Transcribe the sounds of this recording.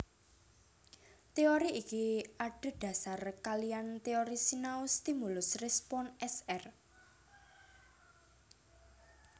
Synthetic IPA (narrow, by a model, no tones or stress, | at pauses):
t̪eoɾiʔikiaɖ̥ə̤d̪̥ä̤sarkaliant̪eoɾisinaʊst̪imulʊsrɛspɔnɛsɛr